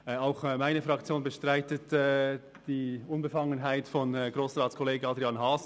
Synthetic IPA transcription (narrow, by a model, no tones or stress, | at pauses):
aʊxmaɪnəfɾɑkt͡sjoːnbəʃtʁaɪtətɛ | d̥iːʔʊnbəfɑŋənɦaɪtfɔnɡɾoːsrɑːtt͡skʰɔleːɡəɑd̪ɾiɑnɦɑːs